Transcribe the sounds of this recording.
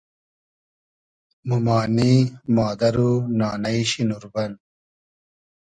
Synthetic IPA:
mumaːnimaːd̪ɐɾunaːnɐiɕinuɾbɐn

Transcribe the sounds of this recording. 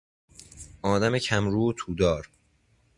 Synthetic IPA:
ʔɒːd̪æmecʰæmɾuːot̪ʰuːd̪ɒːɾ

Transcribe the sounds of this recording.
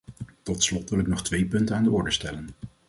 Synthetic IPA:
tɔtslɔtʋɪlɪknɔχtʋejpɵntənaːndəɔɹdəstɛlən

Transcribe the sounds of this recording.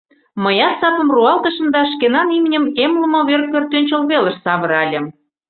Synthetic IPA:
məjɑt̪sɑpə̆mruɑlt̪əʃə̆md̪ɑʃkenɑnimnʲə̆memlə̆mŏβerk̚kːørt̪ønʲt͡ɕəlβelə̆ʃsɑβə̆ɾɑlʲə̆m

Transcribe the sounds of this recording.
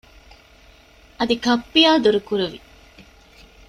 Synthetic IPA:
ɐd̪ikɐpːijaːd̪uɾukuɾuʋi

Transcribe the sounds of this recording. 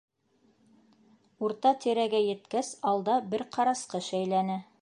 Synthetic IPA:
uɾt̪ɑt̪iɾæɡæjɘ̆t̪kæsɑlˠd̪ɑbɘɾqʰɑɾɑsqɤʃæjlænɘ

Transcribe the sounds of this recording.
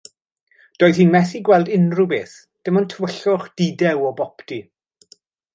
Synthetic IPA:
d̥oːjð̥hiːnmɛθiɡwɛlˠdɪnrubeːθ | d̥ɪmɔntʰəwəɬʊχd̥idɛwɔbɔpti

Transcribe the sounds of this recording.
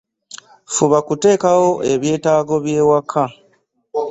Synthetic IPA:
fuβakute̞ːkawo̞ʔe̞βje̞ːtaːɡo̞βje̞ːwakʰːa

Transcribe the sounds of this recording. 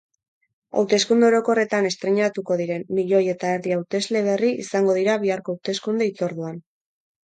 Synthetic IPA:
a̰wt̪e̞skund̪eoɾo̞ko̞re̞t̪ane̞st̪ɾeɲat̪uko̞ð̞iɾe̞nːiʎo̞je̞t̪aeɾðiawt̪e̞zle̞β̞e̞riḭsaŋɡo̞ð̞iɾaβiaɾko̞awt̪e̞skund̪e̞it͡soɾðuan

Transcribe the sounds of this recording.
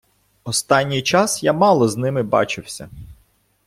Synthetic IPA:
ɔst̪ɑnʲːijt͡ʃɑsjamɑlˠɔznɪmɪbɑ̰t͡ʃɪwsʲɐ̰

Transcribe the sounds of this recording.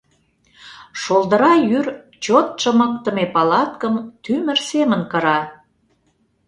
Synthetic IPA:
ʃold̪ə̆ɾɑjyr | t͡ɕot̪̚ʃə̆mək̚t̪ə̆mepɑlɑt̪kəmt̪ymə̆rsemənkɤ̆ɾɑ

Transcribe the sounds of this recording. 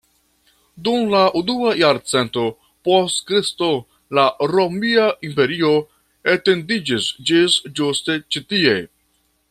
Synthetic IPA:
dumlaʔunuajaɾt͡se̞nto̞ | postkɾisto̞ | laɾomiaʔimpe̞ɾio̞ | ete̞ndid͡ʒisd͡ʒisd͡ʒuste̞t͡ʃitie̞

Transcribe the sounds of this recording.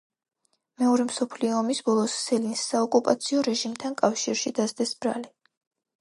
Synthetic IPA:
mɛɔɾɛmsɔpʰliɔːmisbɔlˠɔsːɛlinsːaɔkʼupʼat̪sʰiɔɾɛʒimt̪ʰankʼafʃiɾʃid̪azd̪ɛsb̥ɾa̰li

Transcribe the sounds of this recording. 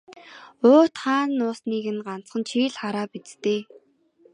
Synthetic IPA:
oːt̪χaːnːʊːsniːɣɘ̆nɢan̥t͡sχə̆nt͡ɕʰiːɮχaɾaːpit͡st̪eː

